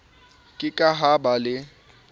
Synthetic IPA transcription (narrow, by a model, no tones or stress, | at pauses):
kʼɪkʼaɦabalɪ